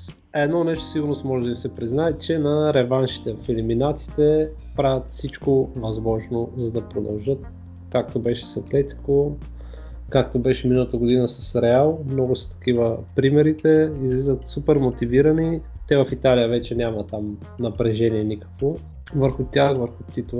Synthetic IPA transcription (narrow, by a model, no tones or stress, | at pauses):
ɛd̪nɔnɛʃt̪osiɡʊɾnost̪mɔʒɛd̪əimsɛpɾiznaɛtt͡ʃɛnɐɾɛvanʃi̥t̪ɛfɛliminat̪si̥t̪ɛ | pɾavʲət̪fsit͡ʃkovɐzmɔʒnozɐd̪ɐpɾod̪ɐ̰lˠʒɤt̪̚ | kak̚t̪obɛʃɛ̥sɐt̪lɛt̪i̥ko | kakt̪obɛʃɛminəlˠət̪əɡod̪inəsɐsɾɛalˠmnɔɡʊsɐ̥t̪ɐ̥k̟ivəpɾimɛɾit̪ɛizlizət̪supɛɾmot̪iviɾənit̪ɛvɐfit̪alijəvɛt͡ʃɛnʲjamɐt̪am | nɐpɾɛʒɛniɛnikə̥kvo | vəɾxʊt̪ʲjaxvəɾxʊt̪it̪lˠ